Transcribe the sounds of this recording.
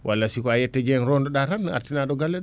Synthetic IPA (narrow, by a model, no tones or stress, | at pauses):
wʔalːasikɔajɛtːɛd͡ʒɛnɾɔndɔɗaɾana̰ɾtinaɗɔɡalːɛɗ